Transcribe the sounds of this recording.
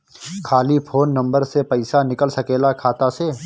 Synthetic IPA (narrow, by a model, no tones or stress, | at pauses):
kʰaːlipʰoːnːɐ̃mbəɾsepɐɪsanɪkəlsɐkeːlakʰaːt̪aseː